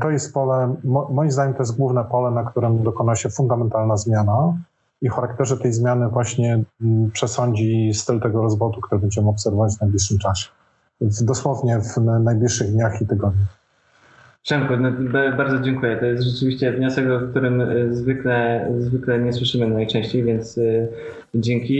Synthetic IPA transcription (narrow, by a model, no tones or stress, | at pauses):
t̪ɔjɛst̪̚pɔlɛmɔmɔjimzd̪aɲɛmt̪ɔjɛst̪ɡwuvnɛpɔlɛnakt̪uɾɛmd̪ɔkɔnaɕɛfund̪amɛnt̪alnazmʲjana | ixaɾakt̪ɛʐɛt̪ɛjzmʲjanɘvwaɕɲɛpʂɛsɔɲd͡ʑist̪ɘlt̪ɛɡɔɾɔzbɔt̪ukt̪uɾɘbɛɲd͡ʑɛmɘɔpsɛɾvɔvad͡ʑvnajblʲiʂɘmt͡ʂaɕɛ̥ | ɛnzd̪ɔswɔvɲɛvnajblʲiʂːɘɣd̪ɲaxit̪ɘɡɔd̪ɲu | ʂɛŋkunɔbbaɾd̪ɔd͡ʑɛŋkujɛt̪ɔjɛst̪ʐɛt͡ʂɘvʲiɕt͡ɕɛvɲɔsɛɡɔfk̚t̪uɾɘmzvɘklɛzvɘklɛɲɛswɘʂɘmɘnajt͡ʂɛ̃ɕt͡ɕejvʲjɛnt̪s | d͡ʑɛŋkʲi